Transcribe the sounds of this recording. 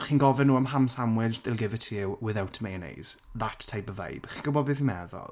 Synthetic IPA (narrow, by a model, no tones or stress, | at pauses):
χiːnɡɔvɛnuːəmɦamsamwɪd͡ʒdɪlˠɡɪvɪtʰiɪwwɪðawtʰmejənḛjz̥ðatʰːejbəvḛjb̥χiːnɡʊbɔdbɪvimɛðɔ̰lˠ